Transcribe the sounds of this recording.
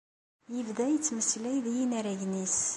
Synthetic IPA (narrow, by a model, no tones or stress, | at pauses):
jəvðæjət͡sːməslæjðijinæɾæʝnis